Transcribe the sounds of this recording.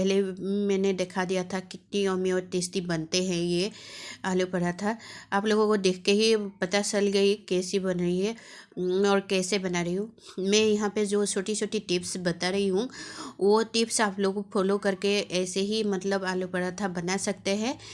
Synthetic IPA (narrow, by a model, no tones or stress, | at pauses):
pɛɦlemɛ̃ːned̪ekʰad̪ijat̪ʰakɪt̪̚niɔːmiɔːɾt̪ɪst̪ibɐnt̪eɦɛ̃jeaːlupɐɽat̪ʰaaːploːɡõkod̪eːkʰkeɦipɐt̪at͡ʃɐlɡɐikɛːsibɐnɾɐiɦɛ | ɔːɾkɛːsebɐnaɾɐɦiɦũmɛ̃jɐɦãped͡ʒoːt͡ʃʰoːʈit͡ʃʰoːʈiʈɪpsbɐt̪aɾɐɦiɦũʋoʈɪpsaːploːɡpʰoːlokɐɾkeɛːseɦimɐt̪ləbaːlupɐɽat̪ʰabɐnasɐk̚t̪eɦɛ̃ː